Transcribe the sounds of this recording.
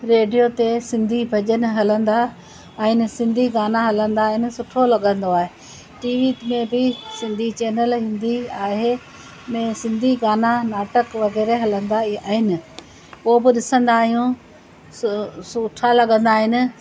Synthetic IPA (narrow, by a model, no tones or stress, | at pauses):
ɾeːɖijot̪esɪ̃nd̪ʱibʱɐʄənɦɐlə̃nd̪a | ɛ̃ɦɪnɪ̆sɪ̃nd̪ʱiɡaːnaɦɐlə̃nd̪aːɦɪnɪ̆sʊʈʰolɐɠə̃nd̪oaːɦe | ʈiːʋiːt̪mẽbɪsɪ̃nd̪ʱit͡ɕeːnəlɦɪ̃nd̪iaːɦe | mẽsɪ̃nd̪ʱiɡaːnanaːʈəkʋɐɣɛːɾeɦɐlə̃nd̪aaːɦɪnɪ̆ | ɦobɪɗɪsə̃nd̪aːɦijũ | sʊʈʰalɐɠə̃nd̪aːɦɪnɪ̆